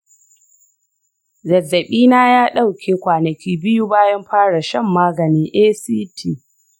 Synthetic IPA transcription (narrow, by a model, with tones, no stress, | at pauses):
zɐ˨zɐ˨ɓiː˦naː˦jaː˦ɗa˦˨wkʲʰeː˦kʷaː˨nɐ˨kʲiː˦bɪ˦ju˦baː˦jɐ˦mɸaː˦ɽa˨ʃɐ˦˨mːaː˦ɡɐ˨niː˦ʔeː˦siː˦tʰiː˦˨